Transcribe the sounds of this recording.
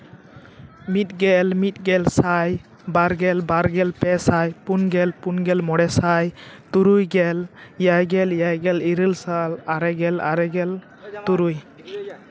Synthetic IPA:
mit̪̚ɡɛlmit̪̚ɡɛlsaj | baɾɡɛlbaɾɡɛlpɛsajpunɡɛlpunɡɛlmɔɽɛsajt̪uɾujɡɛljajɡɛljajɡɛliɾɯlsalaɾɛɡɛla̰ɾɛɡɛl | t̪uɾuj

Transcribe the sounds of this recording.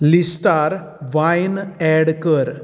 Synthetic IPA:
lisʈaɾ | ʋajnɛɽkəɾ

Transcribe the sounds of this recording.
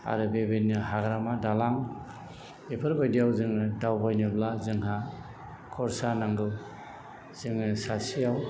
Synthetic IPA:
a̰ɾɯbebenɯɦaɡɾamadalaŋ | epʰɯɾbajdijawzɯŋɯdawbajnɯblazɯŋɦa | kʰɔɾsanaŋɡɯ | z̥ɯŋɯsasijaw

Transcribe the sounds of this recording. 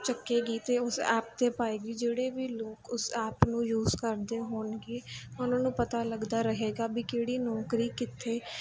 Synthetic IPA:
t͡ʃəkːeːɡiːt̪eːʊsɛ̰ːp̚t̪eːpaːeːɡiːd͡ʒeːɽeːʋiːloːkʊsɛːpnũːjuːzkəɾd̪eːɦoːnɡiːʊnãːnũːpət̪aːləɡd̪aːɾəɦeːɡaːbiːkeːɽiːnɔːkɾiːkɪt̪ʰːeː

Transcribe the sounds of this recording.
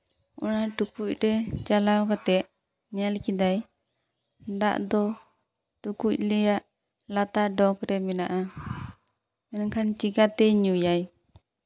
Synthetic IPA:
ɔ̰naʈukuc̚ˀɾɛt͡ʃalawkat̪ɛʔ | ɲɛlkid̪aj | d̪a̰ʔd̪ɔ | ʈukuc̚lɛjaʔ | lat̪aɖɔkɾɛmɛnaʔa | mɛnŋkʰant͡ʃiɡat̪ɛɲujaj

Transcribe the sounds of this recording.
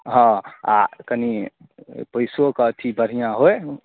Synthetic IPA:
ɦɔ̃a̰kəni | pəjsokət̪ʰibʱəɽ̤ijãɦoj

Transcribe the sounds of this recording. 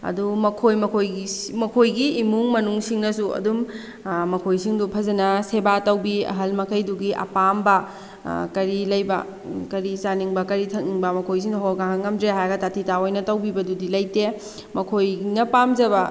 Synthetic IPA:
ɐ̰dumɐkʰojmɐkʰojmɐkʰojɡiːmuŋmɐnuŋsiŋnɐsuɐ̰dum | mɐkʰojsiŋdupʰɐzɐnɐsebatɐwbiɐ̰ɦɐlmɐkʰɐjduɡiʔɐ̰pambɐ | kɐɾilɐjbɐ̰ | kɐɾisaniŋbɐkɐɾitʰɐk̚niŋbɐmɐkʰojs̬iŋduɦɔɾɡaŋɐŋːɐmdɾeɦajɡɐtatʰitaojnɐtɐwbibɐdudilɐjte | mɐkʰojnɐpamd͡ʒɐbɐ

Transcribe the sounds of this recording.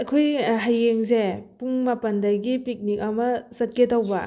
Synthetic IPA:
ɐkʰojɦajːeŋsepuŋmɐpɐndɐɡipik̚nik̚ɐmɐsɐt̚ketɐwbɐ

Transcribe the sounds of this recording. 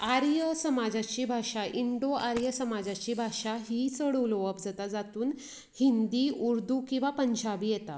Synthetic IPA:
aɾjəsəmad͡zat͡ɕiːbʱaʂaʔiɳɖoaɾjəsəmad͡zat͡ɕiːbʱaʂaɦiːt͡səɽuloʋəpd͡zat̪ad͡zat̪uːn | hind̪iuɾd̪ʱukĩw̃ʋapəɲt͡ɕʰabiːjɛt̪a

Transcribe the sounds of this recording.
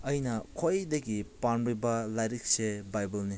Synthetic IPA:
ɐjnɐkʰojdɐɡipanbɾibɐlajɾik̚sebajbɐlni

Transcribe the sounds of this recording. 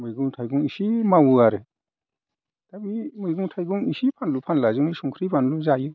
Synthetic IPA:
mɯjɡuŋtʰajɡuŋisimawuaɾe | tabimɯjɡuŋtʰajɡuŋisipʰanlupʰanlazumijsuŋkʰɾipʰanluzaju

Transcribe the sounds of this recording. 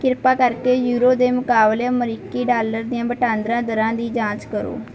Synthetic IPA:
kɪɾpaːkəɾkeːjuːɾoːd̪eːmʊkaːbleːməɾikːiːɖaːləɾd̪ɪjãːbəʈãːnd̪ɾãːd̪əɾãːd̪iːd͡ʒãːt͡ʃkəɾo̰ː

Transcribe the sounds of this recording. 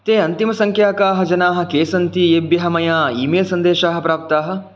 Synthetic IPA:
t̪eːɐnt̪imɐsɐŋkʰjaːkaːɦɐ̆d͡ʒɐnaːɦɐ̆keːsɐnt̪ieːbjɐɦɐmɐjaːiːmeːlsɐnd̪eːʃaːɦɐpɾaːp̚t̪aːɦɐ̆

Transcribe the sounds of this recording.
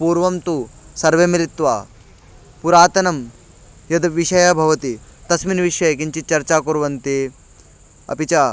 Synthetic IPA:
puːɾʋɐmt̪uːsɐɾʋemilit̪ʋaː | puɾaːt̪ɐnɐm | jɐd̪ʋiʂɐjabʱɐʋɐt̪it̪ɐsminʋiʂɐjk̬iɲt͡ɕit͡ɕɐɾt͡ɕaːkuɾʋɐnt̪i | ɐ̰pit͡ɕaː

